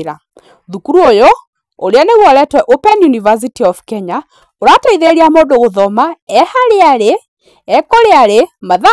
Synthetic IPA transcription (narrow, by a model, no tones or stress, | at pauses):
ɾa | ðukuɾuojɔ | oɾeaneɣwɔɾɛtwɛʔopɛnjunivas̬itiɔfkɛɲa | oɾataiðeɾiamodoɣoðɔmaɛhaɾeaɾeː | kɔɾeaɾemaða